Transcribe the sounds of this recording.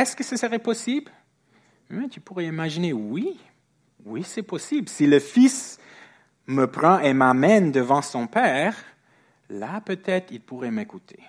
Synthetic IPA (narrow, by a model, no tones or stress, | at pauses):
ɛskəsəsəʁɛpɔsibl | mɛ̃t̪ʰypuʁɛimaʒinewi | wisɛpɔsiblsiləfis | məpχɑ̃ʔemamɛnd̪əvɑ̃sɔ̃pɛːʁ | lapøt̪ɛt̪χilpuʁɛmekut̪ʰḛ